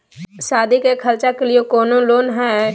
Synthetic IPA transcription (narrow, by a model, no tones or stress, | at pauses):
saːd̪ʱikekʰəlt͡ʃakelijekɔːnoloːnɦɛː